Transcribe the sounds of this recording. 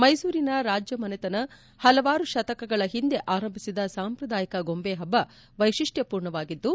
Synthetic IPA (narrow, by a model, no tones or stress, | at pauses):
mɐjsuːɾinɐɾaːd͡ʒjɐmɐnet̪ɐnɐ | hɐlɐʋaːɾuʃɐt̪ɐkɐɡɐɭɐɦind̪e̞ʔaːɾɐmbʱisid̪ɐsaːmpɾɐd̪aːjɐkɐɡo̞mbeːɦɐbːɐ | ʋɐjʃiʂʈjɐpuːɾɳɐʋaːɡid̪ːu